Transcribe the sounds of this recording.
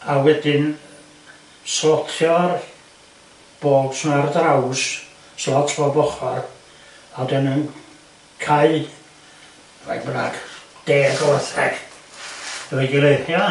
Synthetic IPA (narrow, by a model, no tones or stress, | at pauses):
awɛdɪn | sɔtʰjɔr | b̥oːd̥snardaws | sɔtʰɔbɔχɔr | adɛnən | kʰaɨ | va̰ɡbna̰ɡ̥d̥eːɡɔwaθɛ̰ɡ̥ | əvɛɡɪlˠejθjɔ